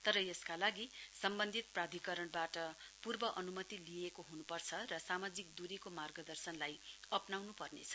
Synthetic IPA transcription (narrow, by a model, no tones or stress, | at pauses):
t̪ʌɾʌjeskalaɡisʌmbʌnd̪ʱit̪̚prad̪ʱikʌɾʌɳbaʈʌpurbʌʔʌnumʌt̪ilijekoɦunupʌrt͡sʰʌrʌsamad͡zik̚d̪uɾikomarɡʌd̪ʌrsʌnlajʌpnawnupʌrnḛt͡sʰʌ̥